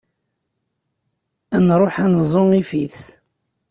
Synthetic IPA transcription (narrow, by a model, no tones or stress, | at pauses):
ænɾˤoħænzˤoŋifiθ